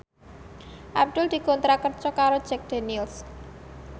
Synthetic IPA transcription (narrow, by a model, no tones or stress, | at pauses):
ʔab̚d̪̥ʊ̤ld̪̥i̤kɔnt̪ɾakərt͡ʃɔkaɾod̥d͡ʒ̥ɛk̚d̪̥enils